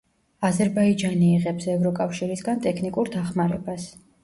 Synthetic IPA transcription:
azɛɾbaid͡ʒaniːʁɛpsɛvɾɔkʼafʃiɾisɡant̪ʼɛkʰnikʼuɾd̪aχmaɾɛbas

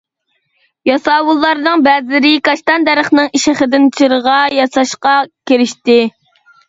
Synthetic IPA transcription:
jɑsɑːwulˠːɑɾnɨŋbɛzɪlɪɾɪkɑʃt̪ɑnd̪æɾəχnɨŋiʃɪχəd̪ɪnt͡ʃʰiɾəʁɑjɑsɑʃqɑkʲeɾɪʃt̪ɪ

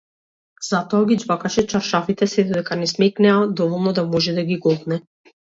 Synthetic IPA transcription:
z̥at̪ɔaɡid͡ʒvakaʃɛt͡ʃaɾʃafit̪ɛsɛd̪ɔd̪ɛkanɛsmɛknɛad̪ɔvɔlˠnɔd̪amɔʒɛd̪aɡiɡɔɡ̪nɛ

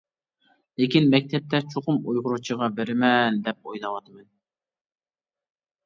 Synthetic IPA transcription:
lɪkʲinmɛk̚ʲt̪ʰɛp̚t̪ʰɛt͡ʃʰoqʊmujʁʊɾut͡ʃʰəʁɑbeɾɪmɛnd̪ɛp̚ojlˠɑwɑt̪ʰmɛn

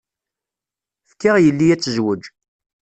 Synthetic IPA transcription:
fkːiʁjəlːijæt͡sːəzwəd͡ʒ

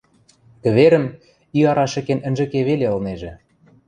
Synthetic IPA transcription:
kɘ̆βeɾə̆m | iɑɾɑʃɘ̆kenə̆nʲʒɘ̆keβeleɤ̆lneʒĕ

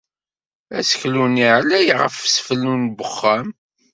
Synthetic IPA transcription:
æsəçluniʕlæjʁəfsfəlːunbəχːæm

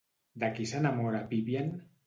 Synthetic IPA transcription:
d̪akisanamoɾapiβjan

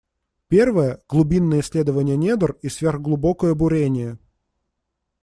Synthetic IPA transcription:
pʲe̞rvəjəɡ̥lˠʊbʲinːəjɪsʲlʲe̞d̪əvənʲɪjənʲed̪ərisvʲerɣɡlˠʊbokəjəbʊɾʲenʲɪjə

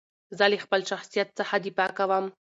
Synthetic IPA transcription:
zalixpəlʃaxsijat̪̚səħad̪ipakawam

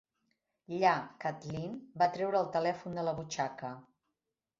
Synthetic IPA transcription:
ʎakat̪linbat̪ɾɛwɾəːlˠt̪əlɛfund̪ələβut͡ʃakə

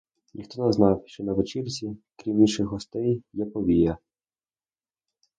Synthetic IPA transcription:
nʲʔixt̪ɔnɛznɑwʃt͡ʃɔnɐʋet͡ʃirʲt͡sʲikɾʲimiʃɪxɦɔst̪ɛjjɛpɔʋʲijɐ

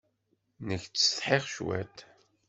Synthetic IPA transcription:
nəçt͡sːə̥θħeʁʃwæ̰t̪

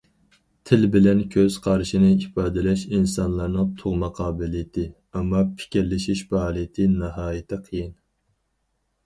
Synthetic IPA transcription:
t̪ʰɪlbɪlɛnkʲʰøz̥qʰɑɾʃinɨipʰɑːd̪ɪlɛʃinsɑnlˠɑɾnɨŋt̪ʰoʁmɑqʰɑːbɪlijt̪ʰɨ | ɛmːɑpʰɪ̥kʲʰiɾlɪʃiʃbɑhɑlˠɨt̪ʰɨnɑɦɑːjɪt̪ʰɨqʰəjin

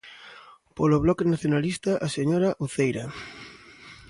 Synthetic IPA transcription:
poloβlɔkenaθjonalist̪aʔaseɲoɾaʔuθejɾa

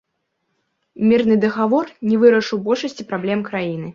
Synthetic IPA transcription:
mʲirnɨd̪ɐɣavɔrnʲɛvɨɾɐʂɨwbɔlʲʂɐsʲt͡sʲipɾablʲɛmkɾajin̪ɨ

